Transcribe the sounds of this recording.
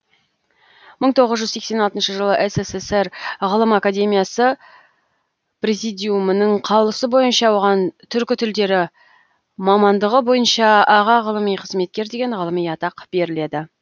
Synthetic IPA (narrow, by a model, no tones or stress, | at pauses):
məɴt̪ʰo̞ʁəzʒʏzse̞kse̞nɑlˠt̪ənʃəʒəlˠəʔeseseseɾʁəlˠəmakad̪e̞mijasə | prezid̪ʲijumənəɴqʰɑwlˠəsəbo̞jənʃɑwo̞ʁɑnt̪ʰʏɾkʲɪt̪ʰʏld̪e̞ɾɪ | mɑmɑnd̪əʁəbo̞jənʃɑɑʁɑʁəlˠəmijqʰəzme̞t̪̚kʲe̞ɾd̪e̞ɡʲe̞ɴʁəlˠəmijɑt̪ɑqb̥e̞ɾɪle̞d̪ɪ